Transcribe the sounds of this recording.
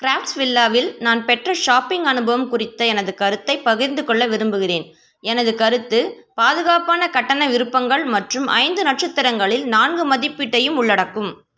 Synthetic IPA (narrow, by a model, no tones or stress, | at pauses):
kɾaːfʈsʋɪlːaːʋɪlnaːnpɛʈrɐʂaːpɪŋɡɐnɯbɐʋɐmkʊrɪt̪ːɐɛnɐðɯkɐɾɯt̪ːɐɪpɐɣɪɾnd̪ɯkɔɭːɐʋɪɾɯmbɯɣɪreːn | ɛnɐðɯkɐɾɯt̪ːɯ | paːðɯɣaːpaːnɐkɐʈːɐnɐʋɪɾɯpːɐŋɡɐɭmɐʈrɯmʔɐ̰ɪnd̪ɯnɐʈ̚t͡ʃɐt̪ːɐɾɐŋɡɐɭɪlnaːnɡɯmɐðɪpːiʈːɐjɯmʊɭːɐɽɐkːɯm